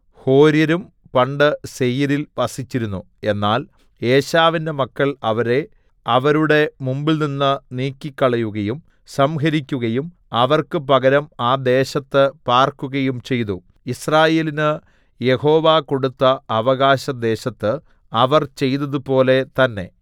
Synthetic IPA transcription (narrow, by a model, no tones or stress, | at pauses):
ho̞ːɾjɐɾum | pɐɳɖɨsejɐɾilʋɐsit͡ɕːiɾunːu | e̞nːaːl | eːɕaːʋinde̞mɐkːɐɭɐʋɐɾe̞ | ɐʋɐɾuɽe̞mumbilninːɨniːkʲːikːɐɭɐjuɣɐjum | sɐmɦɐɾikʲːuɣɐjum | ɐʋɐrkɨpɐɣɐɾɐmaːd̪e̞ːɕɐt̪ːɨpaːrkuɣɐjumt͡ɕe̞jt̪u | israːje̞ːlinɨ | je̞ho̞ːʋaːko̞ɽut̪ːɐːʋɐɣaːɕɐd̪e̞ːɕɐt̪ːɨ | ɐʋɐrt͡ɕe̞jt̪ɐðupo̞ːle̞t̪ɐnːe̞